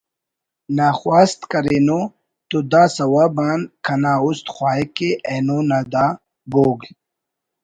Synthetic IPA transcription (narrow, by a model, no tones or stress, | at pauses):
naːxwaːst̪kɐɾeːno | t̪ud̪aːsɐwaːbaːnkʰɐnaːust̪xwaːkeʔeːnonad̪aː | boːɡl